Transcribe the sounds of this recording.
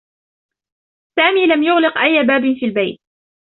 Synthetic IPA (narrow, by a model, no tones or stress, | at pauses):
saːmiːlamjʊɣlɪqʔajːbaːbɪnfiːlbajt̪̚